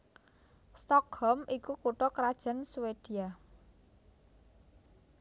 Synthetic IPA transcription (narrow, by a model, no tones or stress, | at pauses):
st̪ɔkhɔmʔikukuʈɔkɾad̥ʒ̥a̤nsuwed̥ia